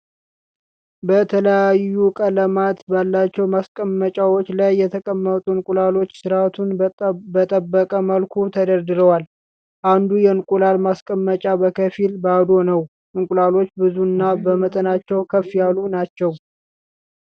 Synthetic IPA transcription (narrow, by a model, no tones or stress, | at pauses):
bət̪ʰələjajːukʼələmat̪balːat͡ʃːɛwmaskʼəmːət͡ʃʼawot͡ʃːlajːɛt̪ʰəkʼəmːət̪ʼunkʼulalo̞t͡ʃːsɨɾat̪ʰunbət̪ʼəbːəkʼəməlkʰut̪ʰəd̪əɾd̪ɨɾəwal | ʔand̪ujɛɨnkʼulalmaskʼəmːət͡ʃʼabəkʰəfilbad̪o̞nəw | ʔɨŋkʼulalo̞t͡ʃːbɨzuɨnːabəmət̪ʼənat͡ʃːɛwkʰəfːijalunat͡ʃːɛw